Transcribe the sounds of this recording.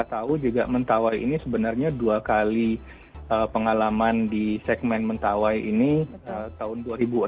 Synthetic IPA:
at̪aud͡ʒuɡa̰ʔmənt̪awajḭnisəbənarɲaduakali | ʔəpəŋalamandisɛk̚mɛnmənt̪awajʔḭniət̪aʊnduaɾibu

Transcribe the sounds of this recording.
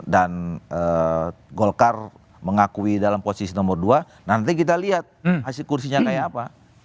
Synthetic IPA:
danəɡolkar | məŋakuidalamposisinɔmərdua | nant̪̬ikit̪̬aliɦat̪̚hasilkursiɲakajaːpa

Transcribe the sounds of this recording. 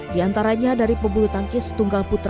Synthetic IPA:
diant̪aɾaɲadaɾipəbulut̪aŋkɪsə̥t̪uŋɡalput̪ɾ

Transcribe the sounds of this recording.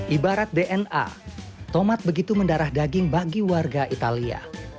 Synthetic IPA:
ʔibaɾat̪̚deʔɛna̰ | t̪omat̪̚bəɡit̪uməndaɾahdaɡɪŋbaɡiwarɡaʔit̪alia̰

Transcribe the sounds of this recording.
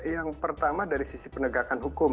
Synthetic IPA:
jaŋpərt̪amadaɾisisipənəɡakanɦukʊm

